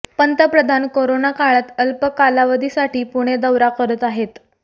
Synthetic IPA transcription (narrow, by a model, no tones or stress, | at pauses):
pənt̪əpɾəd̪ʱankoɾonakaɭət̪əlpəkːalaʋəd̪ʱisaʈiːpuɽ̃ed̪əwɾakəɾət̪aɦet̪